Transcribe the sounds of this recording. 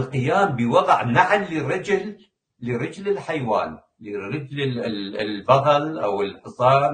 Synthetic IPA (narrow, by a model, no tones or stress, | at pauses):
lqɪjaːmbɪwɑðˤʕnaʕlːiɾɪd͡ʒlː | əɾˤɪd͡ʒlɪlħajwa̰ːn | liɾɪd͡ʒlɪɪlbɑɣɑlʔa̰wɪlħɨsˤɑːn